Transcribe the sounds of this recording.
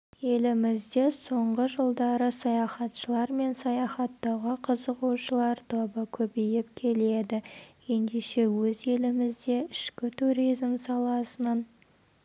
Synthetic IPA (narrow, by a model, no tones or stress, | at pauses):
je̞lɪmɪzd̪e̞so̞ɴʁəʒəlˠd̪ɑɾəsɑjɑχɑt̪ʃəlˠɑɾme̞nsɑjɑχɑt̪ːɑwʁəqʰəzəʁuʃəlˠɑɾt̪ʰo̞bəkʲʰɵpejɪp̚kʲʰe̞le̞d̪ɪje̞nd̪eʃe̞wɵze̞lɪmɪzd̪e̞ɪʃkʲɪt̪ʰuɾijzmsɑlˠɑsənən